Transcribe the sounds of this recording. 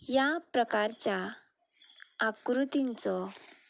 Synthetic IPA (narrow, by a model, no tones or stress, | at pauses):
japɾəkaɾt͡ɕja | kɾut̪int͡sɔ